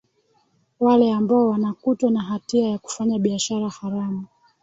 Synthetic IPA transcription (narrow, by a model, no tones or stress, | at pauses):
walɛambaɔwanakutwanaɦatiajaku̥faɲaɓiaʃaɾahaɾamu